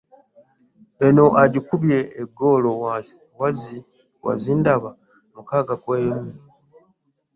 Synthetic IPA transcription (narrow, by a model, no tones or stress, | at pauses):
eno̞ʔaɟikuβje̞ːɡo̞ːlowaːsi̥ | wazi | wa̰zindaβa | mukaːɡakweːmu